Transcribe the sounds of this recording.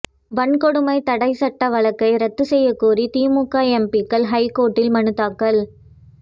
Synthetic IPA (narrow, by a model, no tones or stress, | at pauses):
ʋɐɳkɔɽɯmɐɪt̪ɐɽɐɪsɐʈːɐʋɐɭɐkːɐɪɾɐt̪ːɯsɛjːɐkːuːɾit̪iːmuːkːaːɛmpikːɐlɦɐɪkːoːʈːɪlmɐnɯt̪ːaːkːɐl